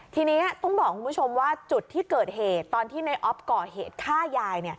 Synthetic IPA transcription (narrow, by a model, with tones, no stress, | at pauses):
t̪ʰiː˧niː˦˥ʔa˨˩t̪ɔ˥˩ŋbɔː˨˩kʰːu˧mpʰu˦˥t͡ɕʰo˧mwaː˥˩t͡ɕu˨˩t̪ʰːiː˥˩kɤː˨˩t̪̚heː˨˩t̪ːɔː˧nt̪ʰiː˥˩na˧jʔɔ˦˥p̚kɔː˨˧˩heː˨˩t̪̚kʰaː˥˩jaː˧jni˥˩ɐ